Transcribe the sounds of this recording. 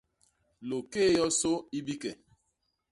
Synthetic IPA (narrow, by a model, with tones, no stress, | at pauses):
lo˨keː˦˨jɔ˦so˦i˦bi˦kɛ˨